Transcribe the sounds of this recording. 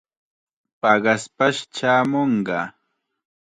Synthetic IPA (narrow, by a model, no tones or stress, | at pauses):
pɑɢɑspaʃt͡ʃaːmoɴɢɑ